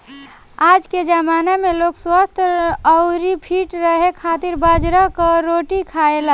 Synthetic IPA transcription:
ad͡ʒked͡ʒəmaːnamelokswast̪ʰəʊɾipʰiʈɾəɦekʰat̪iɾbad͡ʒɾakaɾoʈikʰaela

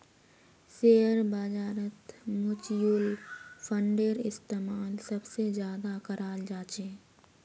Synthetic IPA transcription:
seːəɾbaːd͡ʒaːɾət̪mʊt͡ʃjulfʰə̃ɳɖeɾɪst̪eːmaːlsɐbsezjaːd̪akɐɾʔaːld͡ʒaːt͡ʃeː

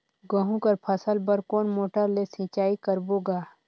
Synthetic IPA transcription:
ɡəɦũkəɾpʰəsəlbəɾkoːnmoːʈəɾlesĩːt͡ʃaːikəɾboːɡaː

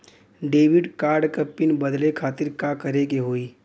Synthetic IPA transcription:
ɖeːʋɪɖkaːɾɖkɐpːɪnbəd̪lekʰaːt̪ɪɾkakəɾekeɦoːiː

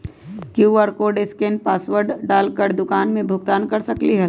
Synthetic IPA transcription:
kjuːʋəɾkoːɾɖɪskenpaːsʋəɾɖɖaːlkəɾd̪ʊkaːnmẽbʱʊɡt̪aːnkɐɾsɐkliɦɛ

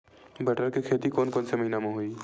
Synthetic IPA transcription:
bɐʈəɾkekʰeːt̪ikoːnkoːnsemɐɦinamõɦuiː

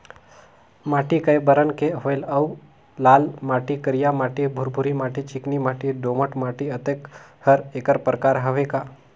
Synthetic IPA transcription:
maːʈikəjbəɾənkeɦojlɐw | laːlmaːʈikəɾijamaʈibʱuɾbʱuɾimaʈit͡ʃiknimaːʈiɖoməʈmaːʈiət̪ekhəɾekəɾpɾkaːɾɦəʋeka

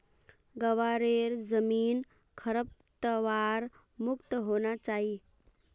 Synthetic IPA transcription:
ɡəʋaɾeɾd͡zəmiːn | kʰəɾəp̚t̪əʋaɾ | mukt̪əɦonat͡ʃaɦi

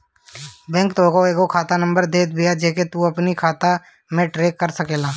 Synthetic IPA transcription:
bɛ̃ːŋk̚t̪oːɡoeːɡokʰaːt̪anə̃mbəɾd̪eːt̪̚bijad͡ʒeːket̪uɐpnikʰaːt̪a | mẽʈɾeːkːəɾsəkeːlaː

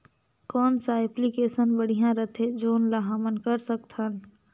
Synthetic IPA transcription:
kɔːnsaeplikeːsənbəɽ̤ijãɾət̪ʰed͡ʒoːnlaɦamənkəɾsək̚t̪ʰɦən

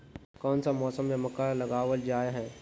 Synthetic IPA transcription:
kɔːnsamɔːsəmjɐməkalɐɡaːwəld͡ʒaːeɦɛ̃ː

